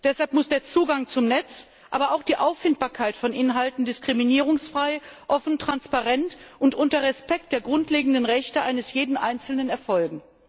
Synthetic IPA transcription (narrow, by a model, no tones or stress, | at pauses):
d̥ɛshalpmʊsd̥eːɐt͡suːɡaŋt͡sʊmnɛt͡s | ʔa̰ːbɐʔaʊxd̥iːʔaʊfːɪnt̚b̥aːɐkʰaɪtfɔnʔɪnɦaltn̩dɪskʁ̥iminiːʁ̞ʊŋsfʁ̥aɪʔɔfn̩tʁ̥anspaʁɛntʔʊntʔʊntɐʁɛspɛk̚t̚d̥eːɐɡʁʊntleːɡŋ̩dənʁɛçtəʔa̰ɪnəsjeːdn̩ʔa̰ɪnt͡sl̩nənɛɐfɔlɡŋ̩